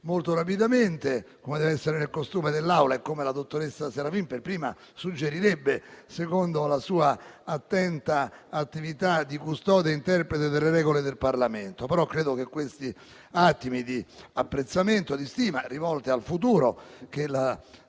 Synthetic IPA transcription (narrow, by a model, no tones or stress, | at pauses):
molt̪oɾap̬id̪ament̪e | komed̪ɛːveɛsːeɾenelkost̪uːmed̪elːawlaekːomelad̪ot̪ːoɾesːaseɾafimperpɾiːma | sud͡ʒːeɾiɾɛbːesekond̪olasuːaat̪ːɛnt̪aːt̪ːivit̪ad̪ːikust̪ɔːd̪eint̪ɛrpɾet̪ed̪elːeɾɛːɡoled̪elparlament̪opeɾɔkːɾeːd̪ok̟ekːwest̪i | at̪ːimid̪iapːɾet̪sːament̪od̪ist̪iːmarivɔlt̪ealfut̪̬uːɾokela